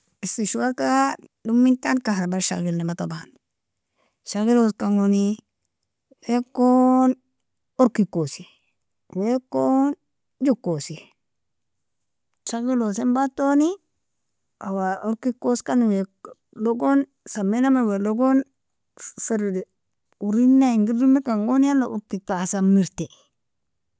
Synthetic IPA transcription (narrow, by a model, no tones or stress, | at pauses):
isiʃuwakadumːintankahɾabaɾʃa̰ɣilnematoban | ʃaɣiloskaŋoni | wekon | ɔɾkikːosi | wekːon | d͡ʒukːosi | ʃaɡilosembatoni | ʔawaoɾkikoskanwe | loɡon | samːenamaweloɡon | fiɾ | uɾinːaiŋɡiɾdumikaŋɡonjalauɾkikasamːiɾte